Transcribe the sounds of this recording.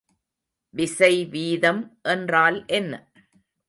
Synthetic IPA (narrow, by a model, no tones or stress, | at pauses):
ʋɪsɐɪʋiːðɐmʔɛndraːlʔɛnːɐ